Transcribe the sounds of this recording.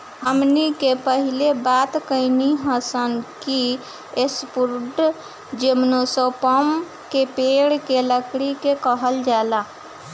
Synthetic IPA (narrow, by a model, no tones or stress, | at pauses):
ɦəmnikepəɦilebat̪kəɪniɦəsənki | espuɾɖ | d͡ʒemnosəpəm | kepeɽkeləkɽikekəɦəld͡ʒala